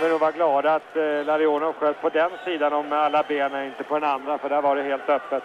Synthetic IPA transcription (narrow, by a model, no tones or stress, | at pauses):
vɪnuːɡvaɾɡlɑːd̪aːt̪laɾɪoːnʊɧøːt̪ːpʰɔd̪ɛnsiːd̪anɔmalːabeːnənɪnt̪əpʰɔd̪ɛnand̪ɾafœɖæɾvaɖɛheːlt̪œpːət̪